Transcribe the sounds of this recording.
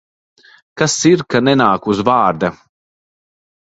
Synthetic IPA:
kasiɾkanɛnaːkuzvaːɾd̪a

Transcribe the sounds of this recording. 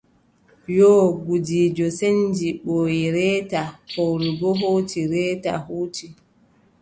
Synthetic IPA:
jɔɡud͡ʒiːd͡ʒɔsend͡ʒiɓoiɾɛːtafowɾiɡɔɦoːtiɾɛːta̰hoːti

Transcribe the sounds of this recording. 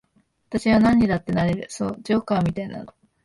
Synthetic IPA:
βat̪aɕiβanãɲ̟ːid̪at̪ːe̞naɾe̞ɾɯ̟so̞̰ːd͡ʑo̞ːkamʲit̪aina̰no

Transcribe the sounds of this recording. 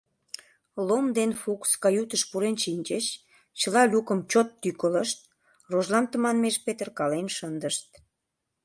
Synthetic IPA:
lomd̪enfukskɑjut̪əʃpuɾenʃinʲt͡ɕət͡ɕ | t͡ɕəlɑlʲukəmt͡ɕot̪ːykələʃt̪̚ | roʒlɑnt̪əmɑnmeʃpet̪ərkɑlenʃənd̪əʃt̪̚

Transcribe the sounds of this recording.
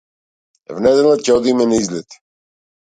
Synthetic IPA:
vnɛd̪ɛlˠat̪̚cɛɔd̪imɛnaizlɛt̪i̥

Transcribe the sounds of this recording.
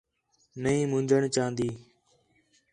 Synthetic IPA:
nəĩːmʊ̃ɲd͡ʒəɳt͡ʃãːnd̪iː

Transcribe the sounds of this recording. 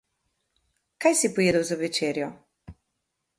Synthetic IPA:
kajsipɔjeːd̪əwzɐʋɛt͡ʃeːɾjɔ

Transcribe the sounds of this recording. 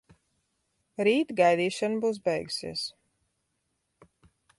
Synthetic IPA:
ɾiːt̪ɡajd̪iːʃanbuːs̬bɛjɡusḭɛs

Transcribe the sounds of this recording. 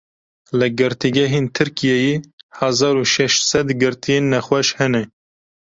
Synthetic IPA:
lɨɡɨɾt̪iɡɛɦent̪ʰɨɾkʰijɛjeːhɑzɑːɾuʃɛʃt̪sɛd̪ɡɨɾt̪ʰijenːɛxwɛʃhɛnɛ

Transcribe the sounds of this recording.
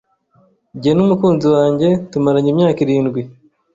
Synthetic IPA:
ɟienumukuːnziwaːɲɟe̞tumaɾaɲimɲaːkiɾiːndɡwi

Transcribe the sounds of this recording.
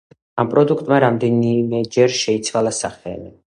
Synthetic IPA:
ampʼɾɔd̪ukʰt̪ʼmaɾamd̪ɛnimɛd͡ʒɛɾʃɛit̪sʰwalˠasaχɛ̰li

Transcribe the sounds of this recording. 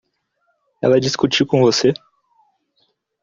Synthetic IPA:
ɛ̰lɐd͡ʒiskut͡ʃikõvose

